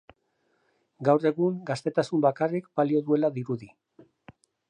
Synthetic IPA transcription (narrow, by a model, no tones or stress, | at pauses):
ɡawre̞ɣuŋɡast̪e̞t̪asumbakarikbalio̞ðue̞laðiɾuði